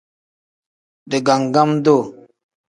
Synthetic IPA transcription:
de˨ɡa˨ŋ˨ɡa˦m˦do˦˨

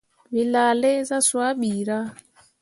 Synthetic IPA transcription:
βi˨la˨lɛ˦za˦swa˦ɓi˨ɾa˦

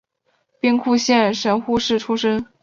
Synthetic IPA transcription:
pi˥ŋkʰu˥˧ɕjɛ˥˩nʂə˧˥nxu˥˧ʂɻ̩˥˩ʈ͡ʂʰu˥ʂə˥ŋ

